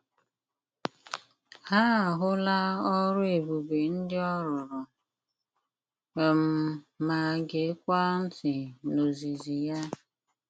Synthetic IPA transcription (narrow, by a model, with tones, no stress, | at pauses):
ha˦a˨ɦʊ˦la˦ɔ˦ɾʊ˦e˨bu˨be˨n̩˦dɪ˦ɔ˦ɾʊ˨ɾʊ˨ | m̩˨ma˨ɡe˨˦kʷa˦n̩˦tɪ˨no˨zi˨zi˨ja˦